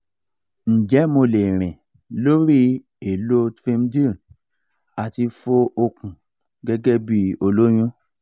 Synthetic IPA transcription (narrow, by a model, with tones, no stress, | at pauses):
n̩˨d͡ʒɛ˨˦mo˧le˨ɾ̃ɛ̃˨ | lo˦ɾi˦ | e˨lo˦tfẽ˧mdi˦˨n | a˨ti˧fo˧o˧kũ˨ | ɡɛ˦ɡɛ˦bi˦o˧lo˦j̃ũ˦